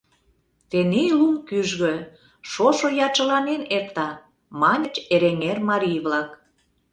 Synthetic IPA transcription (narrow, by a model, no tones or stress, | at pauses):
t̪enelumkyʒɣø̆ | ʃoʃojɑt͡ɕə̆lɑnenert̪ɑ | mɑnʲə̆t͡ɕeɾeŋermɑɾʲijβlɑk